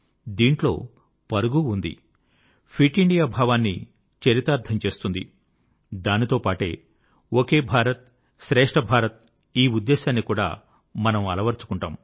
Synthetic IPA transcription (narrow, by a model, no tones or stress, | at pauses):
d̪iːɳʈlo̞̰ː | pɐɾuɡuund̪ḭ | pʰiʈiɳɖijaːbʱaːʋaːnːḭ | t͡ʃɐɾit̪aːɾt̪ʰɐmt͡ʃe̞ːst̪und̪ḭ | d̪aːnit̪o̞ːpaːʈe̞ː | woke̞ːbʱaːɾɐt̪̚ | ʃɾɛːʂʈɐbʱaːɾɐt̪̚ | iːud̪ːeːʃaːnːikuːɽa̰ː | mɐnɐmɐlɐʋɐɾt͡ʃu̥kuɳʈaːm